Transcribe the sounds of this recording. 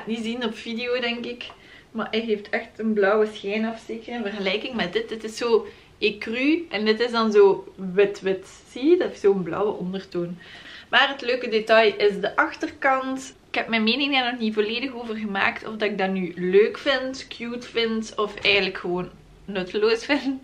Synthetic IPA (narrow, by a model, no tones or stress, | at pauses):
tnizinɔpfideoːdɛŋkɪk | maʔɛɦeːftʰɛxtənblɔwəsxɛjnɑfseːkəənvərɣəlɛːjkɪŋmɛdɪt̚dɪtɪsːoː | ekryʔɛndɪtɪzdɑnzoːʋɪtʋɪt | sidsoːənblɔ̰wəʔɔndərtoːnmaːrɦətløːkədetɑjɪsdəʔɑxtərkɑntɪkhɛpmɛnmeːnɪŋdaːrnɔxnivoleːdəxoːvərɣəma̰ːktɔ̰vdɑtɪɡ̚dɑnyløːkfɪntkjuːtfɪntɔfɛjɣənləkxəʋoːnː | ɵtəloːsfɪnt